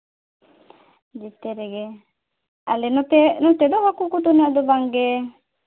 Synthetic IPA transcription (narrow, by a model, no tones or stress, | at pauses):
d͡ʒit̪ɛɾɛɡɛ | alɛnɔt̪ɛnɔt̪ɛd̪ɔhakukut̪unɛd̪ɔbaŋɡɛ